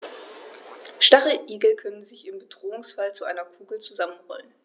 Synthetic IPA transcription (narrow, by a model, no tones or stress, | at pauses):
ʃtaʁəʔiːɡl̩kʰœnənzɪçɪmbədʁoːʊŋsfalt͡suʔa̰ɪnɐkʰuːɡl̩t͡suzamənʁɔ̰lən